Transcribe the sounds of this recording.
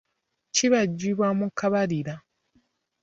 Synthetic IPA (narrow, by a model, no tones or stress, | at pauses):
ciβaɟːiβwamukːaβaliɾa